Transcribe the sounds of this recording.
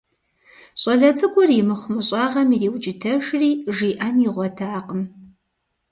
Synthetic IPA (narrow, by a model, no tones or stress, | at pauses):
ɕʼɐɮɐt͡sʼɨɡʷɔrjɪmɨχʷʊmɨɕʼɑːʁɐmiɾiːwt͡ʃʼɪtʰɐʃriːʒiːʔanjɪʁʷɔtʰaːqəm